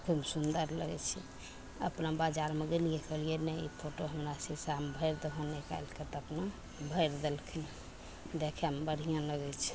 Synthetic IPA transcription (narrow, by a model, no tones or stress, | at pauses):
kʰubsund̪əɾləɡɛ̰t͡ʃʰɛ | ə̰pnabad͡ʒaɾmeɡelijekəlienɛipʰoʈoɦəmɾasəbsambʱəjɾd̪əɦɔneka̰jlket̪əpna | bʱəjɾd̪elkʰɛn | d̪ekʰembəɾ̤ʱijãləɡɛt͡ʃʰɛ̥